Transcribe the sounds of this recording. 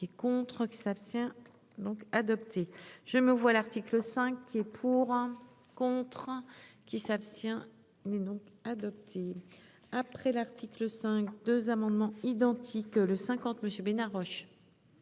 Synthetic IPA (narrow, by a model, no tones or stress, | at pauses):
ɛkɔ̃t̪χəkʲi̥sapst̪jɛ̃ | d̪ɔ̃kad̪ɔpt̪ʰeʒ̥əməvwalaʁt̪ikləsɛ̃kːiɛpʰuʁ | kɔ̃t̪χkʲisapst̪jɛ̃ | ilɛd̪ɔ̃kad̪ɔp̚t̪ʰe | apχɛlaʁt̪ʰikləsɛ̃k̚d̪øzamɑ̃d̪mɑ̃id̪ɑ̃t̪ʰikləsɛ̃kɑ̃t̪məsjøbenaʁɔʃ